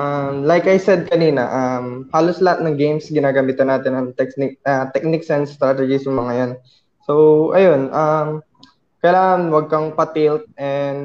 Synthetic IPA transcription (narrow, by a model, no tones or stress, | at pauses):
ʔɐmlajkɐjsɛd̪̚kɐniːnɐ̰ʔɐmhaːloslɐhat̪̚nɐŋɡejmsɡɪnaːɡɐmiːt̪ɐnːaːt̪ɪnɐŋt̪ɛknɪk̚ɐt̪ɛk̚nɪksɛnst̪ɾat̪ɛd͡ʒɪsɐŋmɐŋɐjon | sowʔɐjo̞nʔɐm | kɐjlaːŋɐnwɐɡ̚kɐŋpɐt̪ilt̪̚ʔɛnd̪̚